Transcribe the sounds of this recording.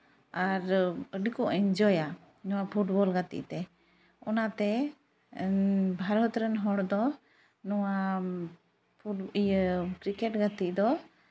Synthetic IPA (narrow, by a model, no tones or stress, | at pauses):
aɾəɖikɔʔəɲd͡ʒɔja | nɔwapʰuʈbɔlɡat̪ḭʔt̪ɛ | ɔnat̪ɛ | bʱaɾɔt̪ɾənɦɔɽd̪ɔ | nɔwa | pʰujəkɾikɛʈɡat̪iʔd̪ɔ